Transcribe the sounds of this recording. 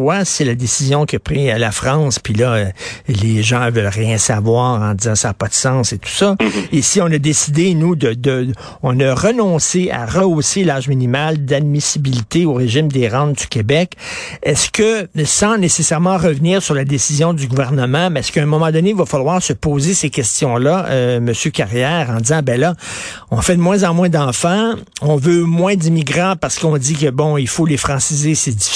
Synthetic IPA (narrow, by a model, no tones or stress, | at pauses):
wasɛlad̪esizjɔ̃kʲiəpʁialafʁɑ̃spilʌleʒɑ̃vœlʁjɛ̃savwaːʁɑ̃d̪izɑ̃saːpʌd̪əsɑ̃set̪u̥sʌesiɔ̃nʌd̪esid̪enud̪əd̪ə | ɔ̃nəʁənɔ̃sea̰ʁəoselaːʒminimald̪ad̪̚misibilit̪eoʁeʒimd̪eʁɑ̃nd͡z̪ykʲebɛk | ɛskəsɑ̃nesesɛʁmɑ̃ʁəvniːʁsyʁlad̪esizjɔ̃d̪yɡuvɛʁnəmɑ̃mɛɛskəɛ̃mɔmɑ̃d̪ɔneivafalwaːʁsəpoːzesekʲɛst̪jɔ̃laməsjøkaʁjɛːʁɑ̃d̪izɑ̃bɛla | ɔ̃fɛd̪əmwɛ̃zɑ̃mwɛ̃d̪ɑ̃fɑ̃ɔ̃vømwɛ̃d̪imiɡʁɑ̃paʁsə̥kɔ̃d̪ik̬əbɔ̃ilfolefʁɑ̃sizesed̪i